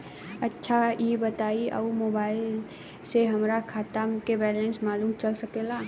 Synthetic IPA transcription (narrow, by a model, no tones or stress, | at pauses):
ɐtːʃʰajebɐt̪aːiʔa̰umoːbaːɪl | seɦɐmɾakʰaːt̪amkebɛːlẽnsmaːlũːmt͡ʃɐlsɐkeːlaː